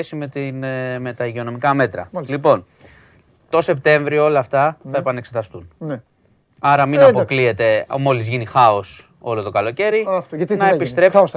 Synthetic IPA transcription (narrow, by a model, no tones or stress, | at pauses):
esime̞t̪inme̞t̪ɐiʝeo̞no̞mikɐme̞t̪ɾɐ̰lipo̞n | t̪o̞se̞p̚t̪e̞ɱvɾioo̞lɐːft̪ɐθɐe̞pɐne̞kse̞t̪ɐst̪unn | ɐɾɐminɐpoklie̞t̪e̞mo̞lizʝinixɐo̞s | o̞lo̞t̪o̞kɐlo̞ce̞ɾinɐepist̪ɾe̞pps